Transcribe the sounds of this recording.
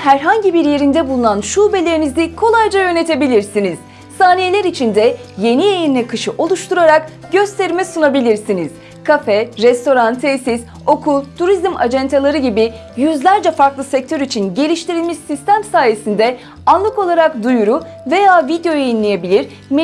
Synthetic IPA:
ɦæɾɦaɲɟibiɾje̞ɾind̪ɛbulˠunanʃube̞lʲeɾnizd̪ɛkʰo̞lˠajd͡ʒajø̞ne̞t̪ʰe̞bilʲiɾsiniz̥ | saːnije̞lʲɛɾit͡ʃʰind̪ɛ | je̞nijejininʲɛkʰɯʃɯʔo̞lˠuʃt̪ʰuɾaɾak | ɟø̞st̪ʰeɾmɛsunabilʲiɾsiniz̥ | kʰafɛɾɛst̪ʰo̞ɾant̪ʰesis | o̞kʰut̪ʰuɾizma̰d͡ʒɛnt̪ʰalˠaɾɯɟibi | jyzlʲæɾd͡ʒɛfaɾklˠɯsɛc̚t̪ʰøɾit͡ʃʰinɟe̞lʲiʃt̪iɾilʲmiʃsist̪ʰæmsaːje̞sind̪ɛ | anlˠɯko̞lˠaɾak̚d̪ujuɾu | ve̞jaːvid̪jo̞jeinlʲije̞bilʲiɾ | m

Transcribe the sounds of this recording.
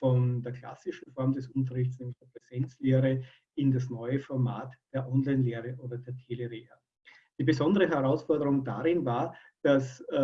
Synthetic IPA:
fɔndeːɐkʰl̥a̰sɪʃn̩fɔɐmdɛsʔʊnt̬ɐʁɪçtt͡snɛːmlɪçd̥eːɐpʁ̥ɛz̥ɛnt͡sleːʁə | ɪndas̬nɔʏəfɔɐma̰ːtd̥eːɐʔɔnlaɪnleːʁəʔoːdɐdeːɐtʰeːleʁeːɐ | d̥iːbəzɔndəʁəɦɛʁaʊsfɔɐdəʁʊŋda̰ʁɪnvaːɐ | d̥as

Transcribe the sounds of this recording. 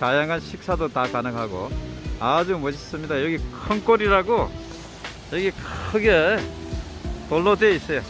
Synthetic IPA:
tajaŋanɕʰik̚sʰad̪ot̪akanɯŋɦaɡo̰ad͡ʑumʌd͡ʑis͈ɯmɲidajʌɡikʰʌŋkoɾiɾaɡo | jʌɡikʰɯɡe | t̪olːod̪eisʌjo

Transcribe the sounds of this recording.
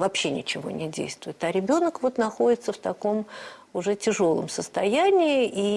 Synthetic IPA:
vɐpɕːenʲɪt͡ɕɪvo̞̰nʲɪdʲḛjst̪vʊjɪt̪ɐɾʲɪbʲo̞nəkvo̞t̪nɐxo̞dʲɪt̪səft̪ɐko̞mʊʐɛtʲɪʐo̞lˠə̰msəst̪ɐjænʲɪːʔi

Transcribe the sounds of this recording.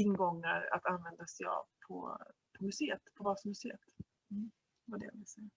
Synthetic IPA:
ɪnɡɔŋːaɾa̰t̪anvɛnd̪asɛja̰vpʰɔ̰pʰɔmɵseːət̪pʰɔbasɔmɵseːət̪ | vaɖɛ̰vɪlsɛja

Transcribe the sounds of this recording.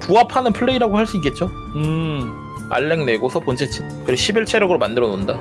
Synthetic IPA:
puapʰanɯnpʰɯɭːeiɾaɡohaɭs͈uik͈e̞t̚t͡ɕ͈o | ɯ | a̰ɭːe̞ŋne̞ɡosʰʌpont͡ɕʰet͡ɕʰinkɯɾeɕʰibiɭt͡ɕʰeɾjʌɡɯɾomandɯɾʌnonda

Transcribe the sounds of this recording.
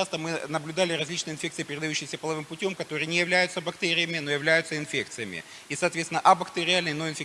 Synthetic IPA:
ast̪əmɨnəblʲʉd̪alʲɪɾɐzʲlʲit͡ɕnɨjəɪnfʲekt̪sɨɪpʲɪɾʲɪd̪ɐjʉɕːɪjsʲəpəlˠɐvɨmpʊtʲo̞mkɐt̪o̞ɾɨjənʲɪjɪvlʲæjʊt̪səbɐkt̪eɾʲɪjəmʲɪno̞jɪvlʲæjʊt̪səɪnfʲe̞k̚t̪sɨjəmʲɪ̰ | isɐːt̪vʲet̪sʲɪnəʔɐbɐkt̪eɾʲɪalnəjno̞ɪnfʲɪ

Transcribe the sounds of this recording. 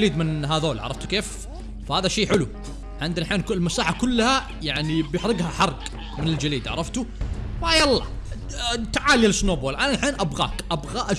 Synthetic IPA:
liːd̪mɪnɦaðoːlʕɑ̰ɾˤɑft̪u̥keːf | fahaːðaʃeːħɪlu | ʕħɪnd̪ɪnħeːnklmasaːħakʊlːha | jaʕnibjɪħɾɪɡhaħɑɾˤɡ | mɪnɪld͡ʒaliːd̪ʕɑ̰ɾˤɑft̪ufajɑlˤːɑ̰ | t̪aʕaːljalɪsːnoːboːlʔananħeːnʔabɣa̰ːkʔabɣaːʔa

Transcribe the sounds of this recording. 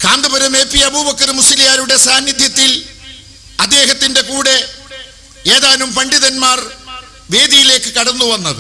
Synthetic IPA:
kaːnd̪ɐbɐɾɐme̞ːpːiɐbuːbɐkːɐrɨmusilijaːɾuɽe̞saːnːid̪ʱjɐt̪ːil | ɐd̪ːe̞ːɦɐt̪ːinde̞kuːɽe̞ | eːðaːnumpɐɳɖiðɐnmaːr | ʋe̞ːd̪ijile̞ːkːɨkɐɽunːuʋɐnːɐðɨ

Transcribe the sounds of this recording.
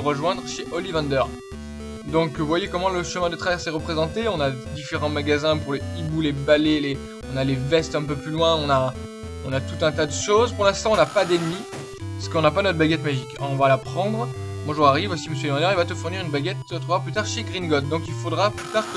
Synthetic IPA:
ʁəʒwɛ̃d̪ʁəʃeʔɔlivɑ̃nd̪œʁ | d̪ɔ̃kvwajekɔmɑ̃ləʃəmɛ̃d̪ət̪χavɛʁsɛʁəpχezɑ̃t̪eɔ̃nad̪ifeʁɑ̃maɡazɛ̃puʁleibulebalele | ɔ̃nalevɛst̪ɛ̃p̬øplylwɛ̃ɔ̃na | ɔ̃nat̪ut̪ɛ̃t̪̬ad̪əʃozpuʁlɛ̃st̪ɑ̃ɔ̃napad̪ɛnmi | pasə̥kɔ̃napanɔt̪χbaɡʲɛt̪maʒikʁɔ̃valapχɑ̃d̪ʁmwaʒuʁaʁivosiməs̬jølivɑ̃d̪œʁilvat̪əfuʁniʁynbaɡʲɛt̪t̪ʰuvwaʁplyt̪aʁʃeɡʁinɡɔt̪̚d̪ɔ̃kilfod̪ʁaplyt̪aʁk

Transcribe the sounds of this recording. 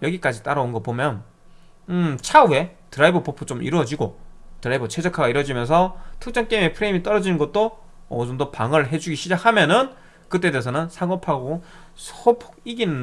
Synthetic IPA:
jʌɡik͈ad͡ʑit͈aɾaonɡʌpomjʌn | ɯt͡ɕʰawe̞tɯɾaibʌpopʰɯt͡ɕomʔḭɾuʌd͡ʑiɡotɯɾaibʌt͡ɕʰe̞d͡ʑʌkʰaɡaiɾwʌd͡ʑimjʌns̬ʰʌtʰɯk̚t͡ɕ͈ʌŋk͈eme̞pʰɯɾeimit͈ʌɾʌd͡ʑinɯnɡʌt̚t͈o | ʌsundopaŋɯɭɦe̞d͡ʑuɡiɕʰid͡ʑak̚ʰamjʌnɯn | kɯt͈e̞deːsʰʌnɯnsʰaŋopʰaɡo | sʰpʰiɡin

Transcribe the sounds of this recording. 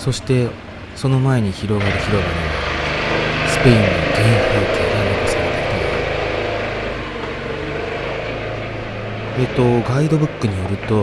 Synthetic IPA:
so̞ɕi̥t̪e̞ | so̞no̞mae̞ɲ̟içiɾo̞ɡaɾɯ̟çiɾo̞ɡaɾɯ | sɨ̥pe̞ĩnːoɡ̪ẽnahɯɾɯk̪iaɡ̪anokasɨnt̪et̪e | et̪o̞ɡaid̪o̞bɯ̟kːɯ̟ɲ̟ijo̞ɾɯ̟t̪o̞

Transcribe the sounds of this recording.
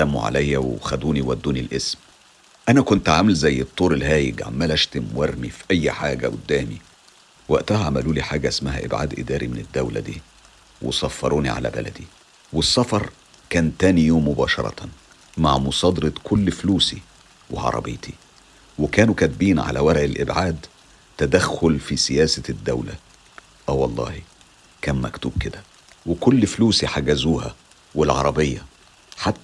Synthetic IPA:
t̪æmṵʕa̰læjːæwexæd̪uːniwæd̪ːuːnilʔesm | ʔænækont̪ʕamælzæjːet̪ˤːoːɾelhæːjɪɡʕa̰mːælæʃt̪emwɑɾnifiʔæjːħaːɡæʔʊd̪ːæːmi | wæʔt̪æhæʕamæluːliħaːɡæʔesmæɦæ̰ʔḛbʕa̰d̪ʔɪd̪æːɾimened̪ːæwlæ̰d̪iː | wḛsɑfːɑɾˤuːniʕa̰læ̰bæ̰læ̰d̪i | wesˤːɑfɑɾˤ | kæːnt̪æːnijoːmːobɑːʃɑ̰ɾˤɑ̰t̪ | maʕmʊsˤɑːd̪ɾɑt̪kʰʊlːfluːsi | wḛʕɑ̰ɾˤɑ̰bḛːt̪ʰi | wekæːnukæt̪̚biːnʕa̰læ̰wæɾʕelʔɪbʕaːd̪ | t̪ːæd̪æxːʊlfisɪjæːsæd̪ːæwlæ̰ | ʔæːwɑlˤːɑ̰ːhi | kæːnmækt̪uːb̚ked̪æ | wekʊlːfluːsiħaɡæzuːhæ̰ | welʕɑɾˤɑbejːɑ | ħat̪ːæ

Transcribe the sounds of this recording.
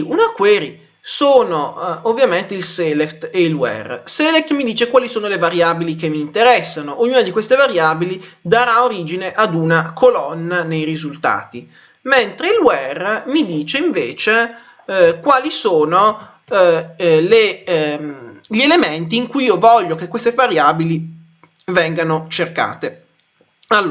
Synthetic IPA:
unakwɛːɾi | soːnoovːjament̪eilsɛːlekt̪eilwɛ̰rsɛlek̚t̪mid̪iːt͡ʃekwaːlisoːnolevaɾjaːbilikemːiːnt̪eɾɛsːanoʔoɲːuːnad̪ikwest̪evaɾjaːbilid̪aɾaoɾiːd͡ʒineʔad̪unakʰolɔnːanejɾizult̪a̰ːt̪i | ment̪ɾeilwɛrmid̪iːt͡ʃeiɱveːt͡ʃe | kwaːlisoːno | le | ʎielement̪̬iːŋkujiːovɔʎːokekːwest̪evaɾjaːbili | vɛŋɡanot͡ʃerka̰ːt̪e | alː

